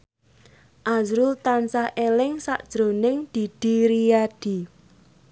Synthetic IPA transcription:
ʔazɾʊlt̪ansahʔelɪŋsaʔd̥ʒ̥ɾonɪŋd̪̥i̤d̪̥i̤ɾijad̪̥i̤

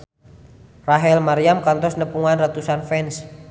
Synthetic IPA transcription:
raɦɛlmaɾiamkant̪ɔsnəpuŋanrat̪usanfɛns

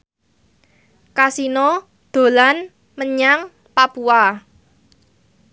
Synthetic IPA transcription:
kasinɔ | d̪̥o̤lan | məɲaŋ | papua

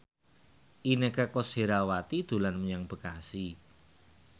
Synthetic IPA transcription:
ʔinekakoseɾawat̪id̪̥ṳlanməɲaŋb̥ə̤kasi

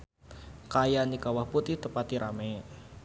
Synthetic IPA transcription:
kajanikawahput̪iht̪əpat̪iɾame

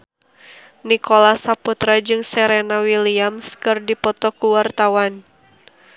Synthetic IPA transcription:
nikolasaput̪ɾad͡ʒɨŋsɛɾɛnawiliamskɨrdipɔt̪ɔkuwart̪awan

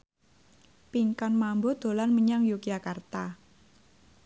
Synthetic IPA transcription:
piŋkanmambod̪̥o̤lanməɲaŋjukijakart̪a

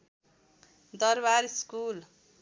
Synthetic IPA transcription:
d̪ʌɾbaɾiskul

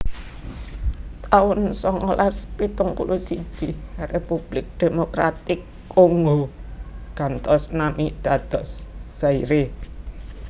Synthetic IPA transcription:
t̪aʊnsɔŋolaspit̪ʊŋpṵlʔusid̥ʒ̥irepub̥lɪk̚d̪̥e̤mokɾat̪ɪkːoŋɡo | kant̪ɔsnamid̪̥a̤d̪̥ɔ̤sːaiɾe

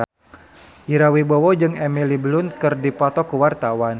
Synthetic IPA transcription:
iɾawibɔwɔd͡ʒɨŋɛmiliblʊnkɨrdipat̪ɔkəwart̪awan

